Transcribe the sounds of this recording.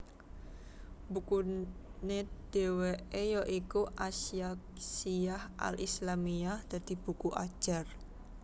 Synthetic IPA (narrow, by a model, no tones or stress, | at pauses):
bukuned̪̥e̤weʔejɔʔikuʔasiaksiahʔa̰lislamiahd̪̥a̤d̪̥i̤b̥ukuʔad̥ʒ̥ar